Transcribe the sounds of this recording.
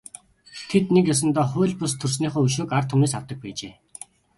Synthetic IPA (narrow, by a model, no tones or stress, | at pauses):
t̪ʰet̪nekjas̬ə̆nt̪ɔːχʊːɮʲpʊst̪ʰɵrsniːχoːɵʃ̬oːkart̪ʰʊmneːsawt̪ə̆k̚pæːt͡ɕeː